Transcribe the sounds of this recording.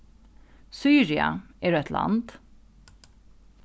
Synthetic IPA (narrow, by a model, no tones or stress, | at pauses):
syːɹɪɑ̰ʔeːɖʉːɛt̪ʰlʔɑ̰nd̪̥